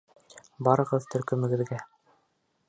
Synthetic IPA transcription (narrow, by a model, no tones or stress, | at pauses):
bɑɾɤ̆ʁɤðt̪ʰɵ̆ɾkɵ̆mɘ̆ɡɘ̆ðɡæ